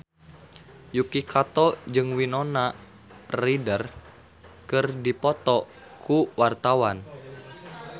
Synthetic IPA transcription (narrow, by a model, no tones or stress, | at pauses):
jukikat̪ɔd͡ʒɨŋwinɔna | ridər | kɨrdipɔt̪ɔ | kʰuwart̪awan